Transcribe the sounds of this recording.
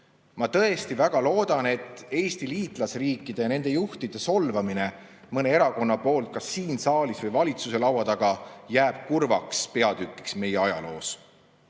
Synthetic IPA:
mɑt̪ɤ̞e̞st̪ivæɡ̥ɑlo̞ːd̪̥ɑne̞t̪ːe̞ːst̪iliːt̪ˑlɑsriːkˑːid̪̥e̞jɑne̞nd̪̥e̞juht̪id̪̥e̞so̞lvɑmine̞ | mɤne̞e̞ɾɑko̞nːɑpo̞ːlt̪̚kɑsːiːnsɑːlisvɤjvɑlʲit̪suse̞lɑwɑt̪ɑɡ̥ɑjæːb̥̚kurvɑ̰kspe̞ɑd̪̥ykːˑi̥ksme̞jeɑjɑ̰lo̞̰ːs

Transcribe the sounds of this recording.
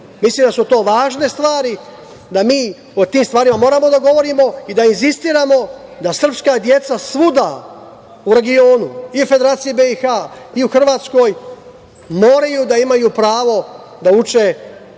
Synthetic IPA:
misliːmd̪asut̪o̞ːʋaːʒne̞st̪ʋaːɾi | d̪amiː | ot̪iːmst̪ʋaːɾimamo̞ːɾaːmo̞d̪aɡo̞ʋo̞ɾiːmo̞id̪ainzist̪iːɾaːmo̞d̪asr̩pskaːd̪je̞t̪sasʋud̪a̰ | uɾe̞ɡio̞ːnuiufe̞d̪e̞ɾaːt̪sijibe̞ixaːiuxr̩ʋaːt̪sko̞ːj | mo̞ːɾajuːd̪aimajuːpɾaːʋo̞ | d̪aut͡ʃe̞

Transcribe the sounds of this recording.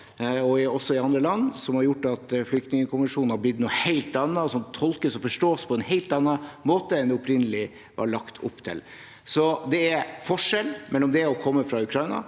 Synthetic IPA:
ɔɪɔsːɔɪɑnd̪ɾəlɑnːsɔmhɑɾjʊʈːɑt̪flʏk̚t̪nɪŋəkʰʊmʋənʂuːnnhɑɾblɪd̪nuheɪlt̪ɑnːɑsɔnt̪ʰɔlkəsɔfɔʂʈoːspʰɔɛnɦeɪlt̪ɑnːɑmoːt̪əɛnd̪ɛʊpɾɪnːəlɪ | ʋɑ̰ɾɭɑkt̪ʰʊ̰pːt̪ʰɪ̰l | sɔd̪ɛæɾfɔʂɛlmɛlːɔmd̪ɛɔkʰɔmːəfɾɑʉkʰɾɑɪnɑ̰

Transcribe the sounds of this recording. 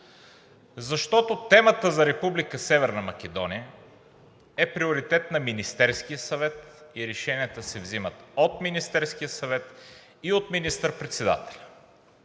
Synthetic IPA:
zɐʃt̪ɔt̪ot̪ɛmət̪əzɐɾɛpublikəsɛvɛɾnɐmɐk̟ʲɛd̪ɔnijə | ɛpɾioɾit̪ɛt̪nɐminist̪ɛɾskijəsɐvɛt̪iɾɛʃɛniət̪əsɛvzimət̪ot̪minist̪ɛɾsk̟ijəsɐvɛt̪ | iot̪minist̪əɾpɾɛt̪sɛd̪a̰t̪ɛ̥lʲɐ

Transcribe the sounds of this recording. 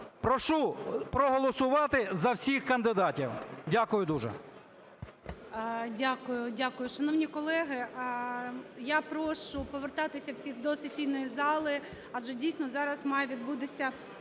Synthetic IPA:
pɾɔʃupɾɔɦɔlˠɔsʊʋɑt̪ɪzɐwsʲixkɐnd̪ɪd̪ɑtʲiwdʲakʊjʊd̪uʒɛ̰ | dʲakʊjʊdʲakʊjʊʃɐnɔwnʲikɔlˠɛɦɪ | japɾɔʃʊpɔʋert̪ɑt̪ɪsʲɐwsʲixd̪ɔsɪtʲsʲilʲnɔjizɑlˠɪ | ɐdd͡ʒɛdʲijsʲnɔzɑɾɐzmɑjʊʋʲid̪but̪ɪsʲɐ

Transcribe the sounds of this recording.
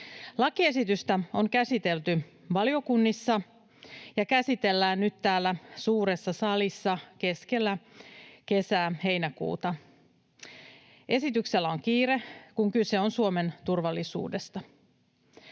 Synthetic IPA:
lɑkiesit̪yst̪æo̞ŋkæsit̪e̞lt̪y | ʋɑlio̞kunːisːɑ | jɑkæsit̪e̞lːæːnnyt̪t̪æːlːæsuːɾe̞sːɑsɑlisːɑke̞ske̞lːæke̞sæːhe̞jnækṵːt̪ɑ | ʔe̞sit̪ykse̞lːæo̞ŋkiːɾe̞kuŋkyse̞o̞nsuome̞nt̪urʋɑlːisṵːde̞st̪ɑ

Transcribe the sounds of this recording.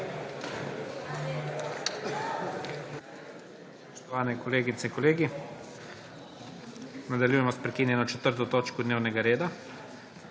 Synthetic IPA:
sspɔʃt̪ɔʋaːnɛkoleːɡit̪sɛiŋkɔleːɡi | nad̪aljuːjɛmɔspɾɛkiːnjɛnɔt͡ʃɛt̪əɾt̪̬ot̪oːt͡ʃkɔd̪neːwnɛɡaɾeːd̪a

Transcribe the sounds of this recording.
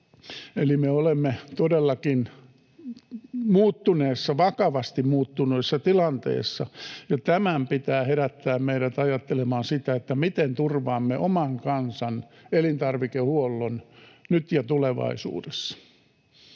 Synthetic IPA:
elimeolemːet̪odelːɑkin | muːt̪ːuneːsːɑʋɑkɑʋɑst̪immuːt̪ːunuisːɑt̪ilɑnt̪ḛːsːɑjɑt̪æmæmpit̪æːheɾæt̪ːæːmmeiɾæt̪ɑjɑt̪ːelemɑːnsit̪æet̪ːæmit̪ent̪urʋɑːmːeʔomɑŋkɑnsɑn | elint̪ɑrʋikehuolːonnyt̪jɑt̪uleʋɑ̰isṵːdesːɑ̥

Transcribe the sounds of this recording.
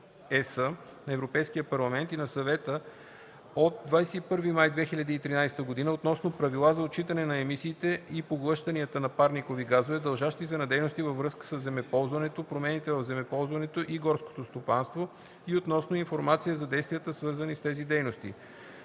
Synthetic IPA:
ɛsə | nɐɛvɾopɛjsk̟iəpɐɾlˠɐmɛnt̪inɐsɐvɛt̪ə | ot̪̚d̪vajsɛipɤɾvimajd̪vɛxiʎʲɐd̪əiːt̪ɾinajsɛ̥t̪əɡod̪inəot̪nɔsnopɾɐvilˠazɐot͡ʃit̪ɐnɛnɐɛmisiːt̪ɛipoɡlˠɤʃt̪ɐniət̪ənɐpaɾnikoviɡazovɛd̪ɐlˠʒaʃt̪izɛnɐd̪ɛjnost̪ivəvɾɤskə̥səzːɛmɛpɔlˠzvɐnɛt̪opɾomɛnit̪ɛvəvzɛmɛpɔlˠzvɐnɛt̪oʔiɡɔɾsko̥t̪ost̪opanst̪vo | iot̪nɔsnoinfoɾmat̪sijəzɐd̪ɛjst̪vijət̪əsvɤɾzənist̪ɛzid̪ɛjnost̪ḭ

